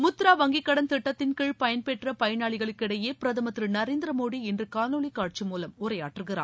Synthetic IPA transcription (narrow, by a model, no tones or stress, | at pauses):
mʊt̪ːɾaːʋɐŋɡɪkːɐɽɐnt̪ɪʈːɐt̪ːɪnkɪɭpɐjɐnpɛʈrɐpɐjɐnaːɭɪɣɐɭɯkːɪɽɐjeːpɪɾɐðɐmɐt̪ːɾɯnɐɾeːnd̪ɪɾɐmoːɽiɛndrɯkaːnoːɭikːaːʈ̚t͡ʃɯmuːlɐmʊrɐja̰ːʈːɯɣɪra̰ː